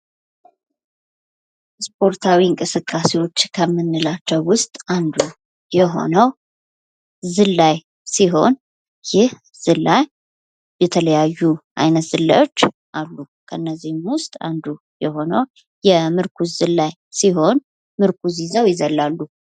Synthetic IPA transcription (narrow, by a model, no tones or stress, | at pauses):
spʰʼo̞ɾt̪ʰawiɨŋkʼɨsɨkʼːasewo̞t͡ʃːkʰəmːɨnːɨlat͡ʃːɛwwʊst̪ʼand̪u | jɛɦo̞̰nəw | zɨlːaj | siɦo̞n | jɪh | z̥ɨlːaj | bɛt̪ʰələjajːuʔajnət̪z̥ɨlːa̰jo̞t͡ʃː | ʔalːu | kʰəɨnːəzːihmwʊst̪ʼa̰nd̪u | jɛho̞nəw | jɛmɨɾkʰuzɨlːaj | siɦo̞n | mɨɾkʰuzizəwjɪzəlːalːu